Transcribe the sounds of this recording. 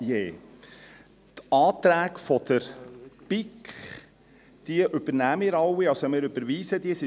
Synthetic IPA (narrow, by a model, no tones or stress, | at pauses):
jeː | tɑːt̪ɾæːkfɔd̥̪əɾpɪkχ | d̪̥iəʔʏb̥əɾnæmɪːɾɑwːiɑlsomɪːɾʏb̥əɾʋiːsəd̥̪iəsɪ